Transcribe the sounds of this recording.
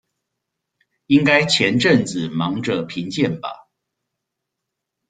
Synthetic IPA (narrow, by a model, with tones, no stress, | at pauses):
i˦ŋka˥ɪt͡ɕʰjɛ˧˦nʈ͡ʂə˥˨ŋt͡sɹ̩˨˩mɑ˧˥ŋʈ͡ʂə˧˨pʰi˧˥ŋt͡ɕjɛ˥˨nbɐ̰˩